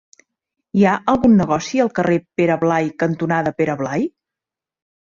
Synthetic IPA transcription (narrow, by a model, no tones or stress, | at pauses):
iaʔəlˠɣunːəɣ̞ɔsiəlˠkərʔepeɾəβlajkənt̪unaðəpeɾəβlaj